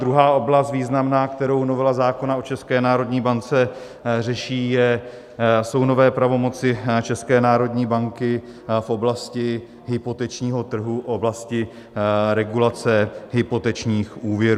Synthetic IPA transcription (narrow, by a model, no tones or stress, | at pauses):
d̪ɾuɦaːʔo̞blast̪viːznamnaːkt̪ɛɾo̞wnovɛlazaːko̞naot͡ʃɛskɛːnaːɾo̞dɲiːbant͡sɛ | r̝ɛʃiːjɛ | so̞wno̞vɛːpɾavo̞mo̞t͡sɪt͡ʃɛskɛːnaːɾo̞d̪ɲiːbaŋkɪ | fʔo̞blascɪ | ɦɪpo̞t̪ɛt͡ʃɲiːɦo̞t̪r̩ɦuʔʔo̞blascɪ | ɾɛɡulat͡sɛɦɪpo̞t̪ɛt͡ʃɲiːxʔuːvjɛɾ